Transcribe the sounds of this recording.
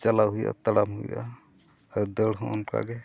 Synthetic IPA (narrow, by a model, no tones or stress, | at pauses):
t͡ʃalaɦuja̰t̪aɽamɦuja̰ | ɾd̪əɽɦɔ̃nka̰ɡɛ